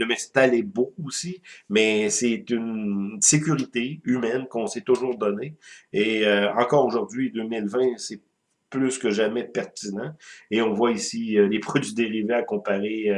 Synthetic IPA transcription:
ləmɛ̃st̪alɛbokuosimɛsɛt̪ynsek̬ʲyʁit̪eymɛnkɔ̃sɛt̪ʊʒuːʁd̪ɔneeøɑ̃kɔːʁoʒʊʁd̪ɥid̪ømɪlvɛ̃sɛ | plyskəʒamɛpɛʁt̪inɑ̃eɔ̃vwaisiølepχɔd̪ɥid̪eʁiveakɔ̃paʁe

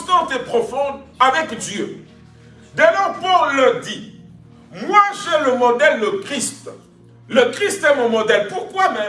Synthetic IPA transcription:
st̪ɑ̃t̪epχɔfɔ̃d̪avɛkd̪jø | d̪əlɔʁpuʁləd̪i | mwaʒɛləmɔd̪ɛld̪əkχist̪ | ləkχist̪ɛmɔ̃mɔd̪ɛlpuʁkwamɛ

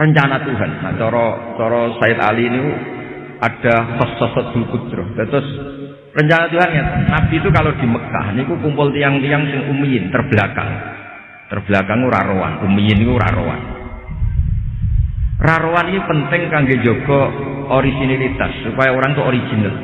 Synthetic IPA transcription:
rəɲt͡ʃanat̪uɦanːa̰t͡ʃɔɾɔt͡ʃɔɾɔsaɪt̪a̰liniku | ʔad̥a̤fəsɔsɔt̪̚d̥̪ukut̪̚t̪ɾʊhd̪ət̪ʊs | rəɲt͡ʃanat̪uɦanŋanab̥iːt̪ukalod̪̥i̤məka̰hnikukumpʊlt̪ijaŋt̪ijaŋsɪŋʔumijɪnt̪ərb̥laka̰ŋ | t̪ərb̥lakaŋuɾa̰ɾowa̰nʔumijɪnikuɾa̰ɾo̰wa̰n | raɾowanikupənt̪ɪŋkaŋɡe̥d͡ʒoɡ̥ɔ̤ | oɾisinilit̪a̰sːupajaoɾaŋit̪uʔoɾid͡ʒ̥i̤nəl

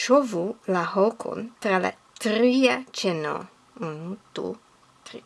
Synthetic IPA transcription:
ʃovulaɦokʰo̰ntɾala̰ | tɾiat͡ʃeno̰ | tṵ | ti

